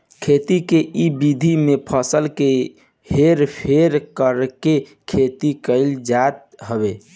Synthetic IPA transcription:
kʰet̪ikeʔibid̪ʱimepʰəsəlke | heɾpʰeɾkəɾkekʰet̪ikəɪld͡ʒat̪̚ | ɦəbe

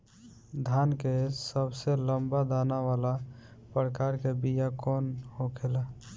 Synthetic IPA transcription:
d̪ʱankesəbseləmbad̪anaβalapɾəkaɾkebijakɔnhokʰela

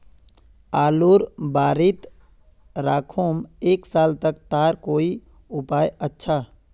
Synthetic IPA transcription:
aːloːɾbaːɾit̪ | ɾaːkʰoːmeːksaːlt̪əkt̪aːɾkoːi | ʊpaːjətːʃʰa

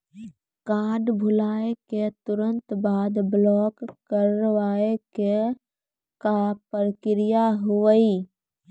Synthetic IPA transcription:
kaːɖbʱʊlaːeket̪ʊɾə̃nt̪baːd̪blɔːkːəɾəʋaːeke | kapəɾkɪɾɪjaɦʊəi

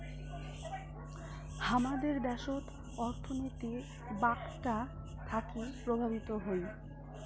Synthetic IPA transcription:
hamad̪eɾd̪ɛʃot̪ | ɔɾt̪ʰonit̪i | bakʈa | t̪ʰakipɾobʱabit̪oɦoj

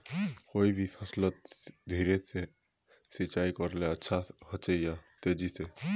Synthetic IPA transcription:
koːibʱipʰəslət̪̚d̪ʱiːɾese | sit͡ʃaːikəɾleətːʃʰahət͡ʃejat̪eːd͡ʒise

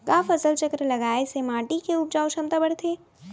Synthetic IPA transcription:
kapʰəsəlt͡ʃəkɾləɡaːesemaːʈikeʊp̚d͡ʒaːuʃəmt̪abəɽt̪ʰe

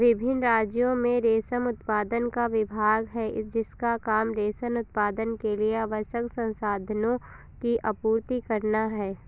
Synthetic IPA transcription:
ʋɪbʱɪnɾaːd͡ʒjõmẽɾeːsəmʊt̪paːd̪ənkaʋɪbʱaːɡɦɛːd͡ʒɪskakaːmɾeːsənʊt̪̚paːd̪ənkelieaʋəʃəksə̃nsaːd̪ʱənõ | kiʔɐpuːɾt̪ikɐɾnaɦɛː

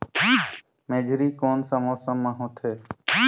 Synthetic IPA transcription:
meːd͡ʒʱɾiːkoːnsəmoːsəmːaɦõːt̪ʰeː

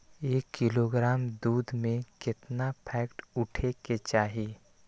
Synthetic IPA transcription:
eːkːɪloɡɾaːmd̪uːd̪mẽkɪt̪napʰɛːkʈʊʈʰeket͡ʃaːɦi

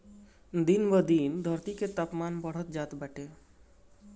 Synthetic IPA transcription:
d̪inʋəd̪ind̪ʱəɾt̪iket̪apmanpəɽ̤ət̪d͡ʒaːt̪bɛʈe

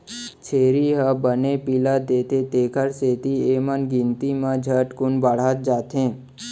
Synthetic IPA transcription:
t͡ʃʰeːɾiɦəbənepilad̪eːt̪et̪eːkʰəɾseːt̪iemənɡɪ̃nt̪imãd͡ʒʱəʈkʊɳbəɽ̤at̪̚d͡ʒaːt̪ẽː

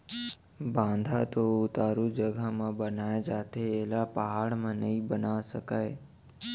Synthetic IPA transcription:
bãːnd̪ʱat̪oʊt̪aːɾud͡ʒəɡʱamãbənajad͡ʒaːt̪eːlapəɦaɽmãnəɦĩbənaʋsəkaːe

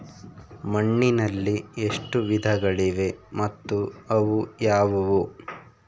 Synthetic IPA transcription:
mɐɳːinɐlːieʂʈuʋid̪ʱɐɡɐɭiʋe̞mɐt̪ːuɐʋujaːʋɐʋu

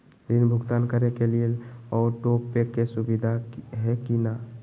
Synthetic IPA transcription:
ɾinbʱʊɡt̪ankəɾekelielɔːʈoppːekːesubid̪ʱaɦɛkina

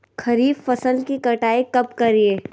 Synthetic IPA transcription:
kʰɐɾiːbfɐsəlkikɐʈaːikɐp̚kɐɾieː

